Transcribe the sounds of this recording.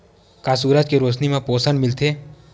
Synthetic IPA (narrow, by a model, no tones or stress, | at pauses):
kaːs̬uːɾəd͡ʒkeɾoːʃnimẽpoːsənmɪlt̪ʰeː